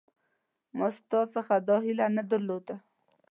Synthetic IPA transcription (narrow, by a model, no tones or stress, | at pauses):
mʊst̪ɑsəxad̪ɑɦilanad̪əɾlod̪a